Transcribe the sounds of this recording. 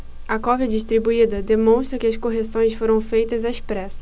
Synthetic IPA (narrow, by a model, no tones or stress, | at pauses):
ɐkɔvjɐd͡ʒiʃt̪ɾibuid̪ɐd̪emõw̃ʃt̪ɾɐkɪɐskoɦesõj̃sfoɾɐ̃w̃fejt̪ɐzaespɾɛsɐ̥